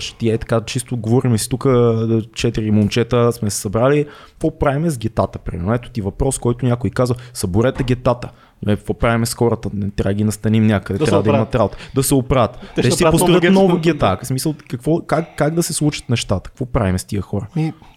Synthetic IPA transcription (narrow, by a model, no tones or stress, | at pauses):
ʃt̪iɛt̪ɐ̥kat͡ʃist̪oɡovɔɾimɛsi̥t̪ukət͡ʃɛt̪iɾimomt͡ʃɛt̪əsmɛsɛ̥sɐbɾaliɛvɔpɾavimɛzɡʲɛt̪at̪əpɾḭmɛɾnɛt̪ʊ̥t̪ivɐpɾɔskɔjt̪ʊnʲakʊikazvɐsɐbʊɾɛt̪ɛɡʲɛt̪at̪ə | ɛt̪vopɾavimɛsxɔɾət̪ənɛt̪ːɾavəd̪ɡʲinɐst̪ɐnimnʲakəd̪ɛt̪ɾabəd̪ɛmɐt̪ɾabot̪ɛ̥d̪ɐsɛopɾavət̪ɛsɛpost̪ɾət̪nɔvɐɡʲɛt̪asmisəlˠkɐkvɔkakːaɡd̪ɐsɛslˠut͡ʃə̥t̪nɛʃt̪at̪ə̥k̚kvɔpɾavimɛst̪iəxɔɾə